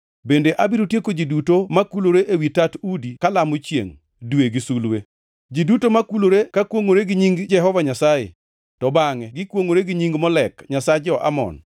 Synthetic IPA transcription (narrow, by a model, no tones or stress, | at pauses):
bendeʔabiɾotjekod͡ʒidutomakuloɾeʔewitatudikalamot͡ʃjḛŋ | dweɡɪsulwe | d͡ʒidutomakuloɾekakwoŋoɾeɡɪɲiŋɡd͡ʒɛɦɔvaɲasajḛ | tɔbaŋɛɡɪkwoŋoɾeɡɪɲiŋɡmɔlɛkɲasad͡ʒɔʔa̰mɔ̰n